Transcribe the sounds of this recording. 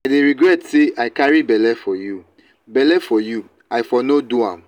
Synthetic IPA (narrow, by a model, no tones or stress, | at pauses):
adeɹiɡɹɛtseʔaɪkaɹibɛlɛfɔju | bɛlɛfɔju | ajfɔnoduãm